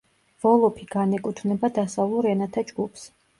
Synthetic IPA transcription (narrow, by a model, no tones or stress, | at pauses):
v̥ɔlˠɔpʰiɡanɛkʼut̪ʰnɛbad̪asavlˠuɾɛnat̪ʰad͡ʒɡupʰs